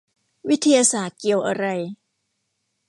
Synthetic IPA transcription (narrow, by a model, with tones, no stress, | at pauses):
wi˦˥t̪ʰːa˧jaː˧saː˨˩t̪̚ki˨˩əwʔa˧ɾa˧j